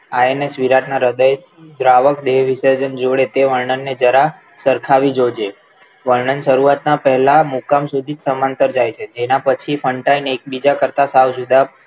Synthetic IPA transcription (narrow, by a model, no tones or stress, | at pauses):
aenesʋiɾaʈnaɾəd̪əj | d̪ɾaʋəkd̪eʋʋisəɾd͡ʒənd͡ʒoɽet̪eʋəɾɳənːed͡ʒəɾa | səɾkʰaʋid͡ʒod͡ʒe | ʋəɾɳənʃəɾuat̪napəɦɛlamukamsud̪ʱid͡ʒsəmãnt̪əɾd͡ʒajt͡ʃʰed͡ʒenapət͡ʃʰifʰəɳʈainek̚bid͡ʒakəɾt̪asawd͡ʒud̪a